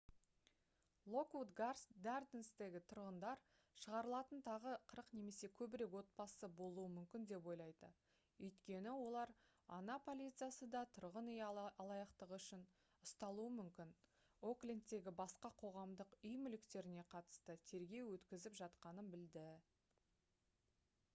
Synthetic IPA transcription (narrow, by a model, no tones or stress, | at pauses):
lˠo̞kwud̪ɡarsd̪ɑrd̪enst̪e̞ɡʲɪt̪ʰʊɾʁənd̪ɑɾ | ʃəʁɑɾəlˠɑt̪ənt̪ʰɑʁəqʰəɾəqne̞me̞se̞kʲʰɵbɪɾe̞kwo̞t̪̚pɑsəbo̞lˠuwəmʏmkʲɪnd̪e̞pwo̞jlˠɑjd̪ə̰ | wɵjt̪kʲe̞nɪwo̞lˠɑɾ | ɑ̰nɑpʰo̞lʲit̪sɨjasəd̪ɑt̪ʰʊɾʁənʏjɑlˠɑjɑqt̪əʁʏʃɪn | ʊst̪ɑlˠuəmʏmkʲɪn | oklʲint̪ːe̞ɡʲɪbɑsqɑqʰo̞ʁɑmd̪əqʏjmʏlɪkt̪e̞ɾɪne̞qʰɑt̪ə̥st̪ət̪ʰe̞ɾɡʲe̞wwɵt̪kʲɪzɪpʒɑt̪qɑnənbɪld̪ɪ